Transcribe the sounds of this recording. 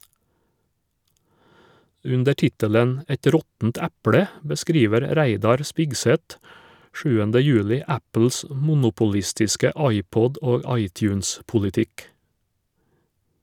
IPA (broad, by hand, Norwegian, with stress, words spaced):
ˈʉndə ˈʈɪtəlɛn ˈɛt ˈɾɔtn̩t ˈæpɽɛ bəˈskɾiːʋəɾ ˈɾæɪdɑɾ ˈspɪɡsɛt ˈʃʉːəndə ˈjʉːlɪ ˈæpl̩s m ˈmʊnʊpʊˌlɪstɪskə ˈɑɪˌpɔd ˈoːɡ ˈɑɪˌtjʉːns pʊlɪˈtɪk